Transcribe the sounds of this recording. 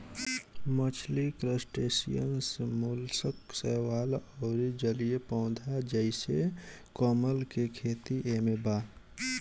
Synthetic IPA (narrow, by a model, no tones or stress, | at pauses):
mət͡ʃʰlikɾəsʈeːsḭjə̰nsmulsəksɛːwaːlɔːɾid͡ʒəliepɔ̃ʊd̪ʱad͡ʒəɪse | kɔːməlkekʰeːt̪iʔemebaː